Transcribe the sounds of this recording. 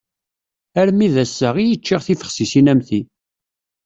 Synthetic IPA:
æɾmiðæsːəʁijət͡ʃːiʁθifə̥χsisinæmθi

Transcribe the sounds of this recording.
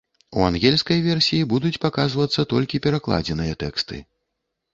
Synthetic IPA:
uanɣʲɛlʲskɐjvʲɛrsʲijibud̪ut͡sʲpakazvɐt̪sːɐt̪ɔlʲkʲipʲɛɾaklˠa̰d͡zʲɛnɨjɐt̪ɛkst̪ɨ̰

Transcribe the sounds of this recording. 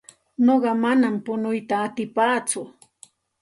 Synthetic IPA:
noɢɑmanampʊnʊjt̪aːt̪ɪpaːt͡sʊ

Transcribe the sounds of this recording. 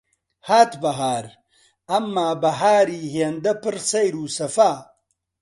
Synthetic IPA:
haːt̪bɐɦaːɾ | ɐmːaːbɐɦaːɾiːɦeːnd̪ɐpɨɾsɐjɾuːsɐfaː

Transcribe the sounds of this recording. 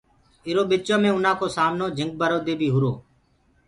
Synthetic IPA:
ɪɾoːɓɪt͡ʃõːmẽːʊnãːkoːsaːmnoːd͡ʒʱəŋɡ̚bəɾoːd̪eːbʱiːɦʊɾoː

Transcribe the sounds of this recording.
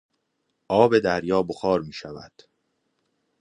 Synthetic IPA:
ʔɒːbe̞d̪æɾjɒːboxɒːɾmiːʃævæ̰d̪̥

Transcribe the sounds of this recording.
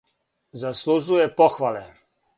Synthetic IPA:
zaslˠuʒujɛpɔxʋalɛ

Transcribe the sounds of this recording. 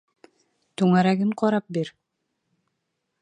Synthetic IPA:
t̪ɵŋæɾæɡɘŋqʰɑɾɑp̚biɾ

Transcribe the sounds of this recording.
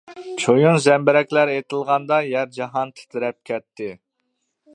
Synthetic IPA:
t͡ʃʰojunzɛmbɪɾɛkʲlæɾet̪ʰɪlˠʁɑnd̪ɑjɛɾd͡ʒɑɦɑnt̪ʰɪ̥t̪ʰɪɾɛp̚kʲʰɛpt̪ʰːɪ

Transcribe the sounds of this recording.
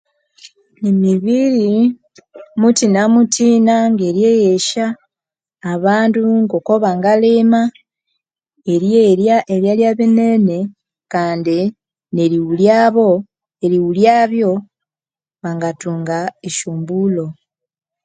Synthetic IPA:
nemiβiɾi | mutinamutʰiːnaŋɡe̞ɾjejeʃaː | βaːntuŋɡoko̞βaŋɡaleːma | e̞ɾjeɾjaʔeɾjaljaβenene̞ | kaːndi | ne̞ɾiwuljaːβo̞ | eɾiwuljaːβjo̞ | βaŋɡatuːŋɡaeʃuːmbulo̞

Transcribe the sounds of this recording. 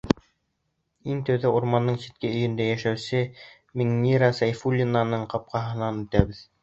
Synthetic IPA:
iŋt̪æwðæuɾmɑnːɤɴsi̥t̪̚kɘɵ̆jɵ̆nd̪æjæʃæwsɘ | miŋnʲiɾasɑjfulʲːinanɤɴqɑp̚qɑɦɤ̆nɑnɵ̆t̪æβɘð

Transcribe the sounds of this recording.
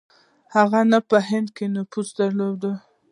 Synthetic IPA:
haɣanapəɦɪnd̪kenʊpusd̪aɾlod̪ə

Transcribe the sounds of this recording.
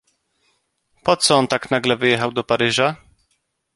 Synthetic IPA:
pɔt̪sɔɔnt̪aknaɡlɛvɘjɛxawd̪ɔpaɾɘʐa

